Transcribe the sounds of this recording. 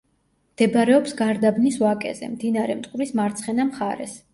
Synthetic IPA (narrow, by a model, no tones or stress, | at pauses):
md̪̥ɛbɾɛɔpsɡaɾd̪abnisvakʼɛ̰zɛ̰md̪inaɾɛmt̪ʼqʼuɾismaɾt̪sʰχɛnamχaɾɛ̰s